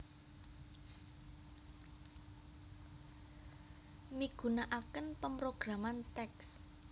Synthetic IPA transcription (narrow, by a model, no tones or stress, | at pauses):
miɡ̥ṳnaʔakənpəmpɾoɡ̥ɾamant̪ɛks